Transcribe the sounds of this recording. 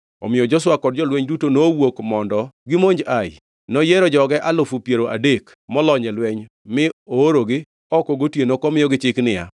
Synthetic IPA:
ɔ̰mɪjɔd͡ʒɔs̬wakɔd̚d͡ʒɔlwɛɲdutonowokmɔndɔɡɪmoɲd͡ʒaɪ | nɔjeɾɔd͡ʒɔɡɛʔalʊfupjeɾoʔa̰dek | mɔlɔɲɛlwɛɲ | mɪoːɾoɡɪ | ɔkɔɡotjenokɔmɪjɔɡɪt͡ʃɪknɪja̰

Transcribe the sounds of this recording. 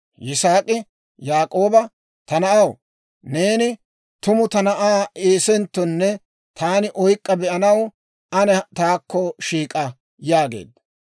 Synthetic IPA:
jɪsaːkʼɪ | jaːkʼo̞ːbɐ | t̪ɐnɐʔɐw | neːnɪ | t̪ʊmʊt̪ɐnɐʔaːʔeːsɛnt̪ːɔnːɛ | t̪ʰaːnɪʔɔjkʼːɐbɛʔɐnɐw | ʔɐnɛt̪aːkːɔʃiːkʼɐ | jaːɡḛːd̪ɐ

